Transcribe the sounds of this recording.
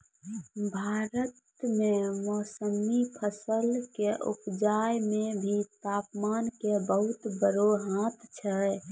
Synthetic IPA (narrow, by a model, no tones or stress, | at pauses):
bʱaːɾət̪ | memɔːsəmipʰəsəlkeʔṵpd͡ʒajmebʱit̪aːpmaːnkebəɦut̪bəɾoɦãt̪ʰt͡ʃʰɛ